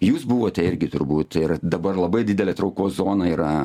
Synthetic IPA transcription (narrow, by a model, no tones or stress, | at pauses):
juːsbʊʋoːt̪ʲɛɪɾʲɡʲɪt̪ʊɾbuːt̪ɪrd̪ɐbɐrlˠɐbɐɪdʲɪdʲɛlʲɛːt̪ɾɐʊkoːszoːnɐiːɾɐ